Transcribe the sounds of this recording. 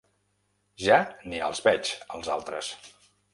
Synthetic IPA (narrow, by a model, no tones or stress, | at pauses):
ʒaniə̰lˠzβɛt͡ʃəlˠzalˠt̪ɾəs